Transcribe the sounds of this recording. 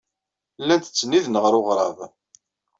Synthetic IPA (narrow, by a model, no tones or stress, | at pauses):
lːænt̪ə̥t͡sːnːiðnəʁɾʊʁɾˤɑ̰ð